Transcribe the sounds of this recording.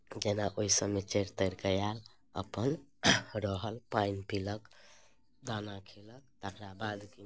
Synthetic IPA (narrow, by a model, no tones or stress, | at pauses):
d͡ʒenaʔoisəmet͡ʃeɾt̪əɾkəjal | ə̰pənɾəɦəlpainpilək | d̪anakʰilək̚t̪əkɾabad̪ki